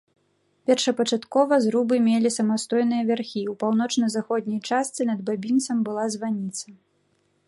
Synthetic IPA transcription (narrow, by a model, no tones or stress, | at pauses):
pʲɛrʂɐpɐt͡ʂat̪kɔvɐzɾubɨmʲelʲisɐmast̪ɔjn̪ɨjɐvʲarxʲiwpawnɔt͡ʂnɐzaxɔd̪̚ʲnʲɐjt͡ʂast̪sɨnɐd̪̚babʲint̪sɐmbɨlˠazvanʲit̪sɐ